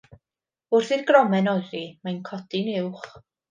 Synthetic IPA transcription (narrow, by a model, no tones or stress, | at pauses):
ʊrθɨðɡrɔmɛnɔɨðimajnkʰɔd̥inɪwχ